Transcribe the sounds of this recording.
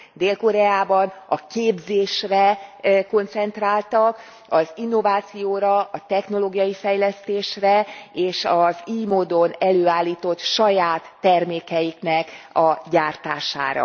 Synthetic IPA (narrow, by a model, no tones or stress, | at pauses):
d̪eːlko̞ɾɛaːbɒnɒkeːbzeːʃrɛko̞nt̪sɛn̪t̪raːlt̪ɒk | ɒzinːo̞vaːt̪sijoːɾɒɒt̪ɛxno̞loːɡijɒjifɛjlɛst̪eːʃrɛeːʃɒziːmoːd̪o̞nɛløːaːlːiːt̪o̞t̪ʃɒjaːt̪ːɛrmeːkɛjiknɛkɒɟaːrt̪aːʃa̰ːɾɒ̰